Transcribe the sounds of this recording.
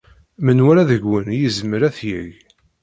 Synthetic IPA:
mənwæɾæðəʝwːənjizməɾæθjəʝ

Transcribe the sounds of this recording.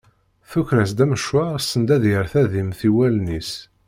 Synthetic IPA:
θuçɾæsd̪æməʃwaʁsənd̪æðjəɾθæðimθiwælnis

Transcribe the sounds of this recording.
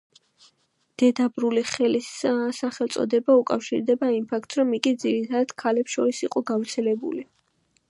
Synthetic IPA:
d̪̥ɛd̪abɾuliχɛlissaχɛlt̪sʼɔ̰d̪ɛbaukʼafʃḭɾd̪ɛbaimpʰak̚ʰt̪sɾɔmikʼid̪ziɾit̪ʰad̪ad̪̥kʰalɛpsʃɔɾisiqʼɔɡavɾt̪sʰɛlɛbṵli

